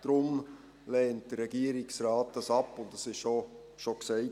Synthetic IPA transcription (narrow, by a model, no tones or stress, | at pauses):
d̥ɾʊm | lɛːnt̚dəɾɛɡ̥iːəɾɪksrɑːt̚d̥ɑsɑpːʊntdɑsɪʃʃo | ʃoksɛɪ